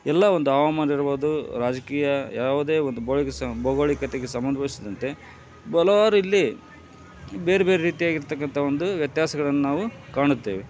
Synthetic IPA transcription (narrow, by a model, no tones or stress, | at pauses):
ɛlːɐo̞nd̪uaːʋamaːniɾɐboːd̪uɾaːd͡ʒɐkiːjɐjaːʋud̪e̞ːond̪uboɭikesbɔɡoːɭikɐt̪eɡe̞sɐmbɐnd̪ʱɐʋisid̪ɐnt̪e̞ | bɐlɐʋaːɾuilːi | be̞ːɾebe̞ːɾeɾiːt̪ijaːɡiɾt̪ɐkːɐnt̪ʰɐo̞nd̪uʋjɐt̪jaːsɐɡɐɭɐnːunaːʋukaːɳut̪ːeːʋe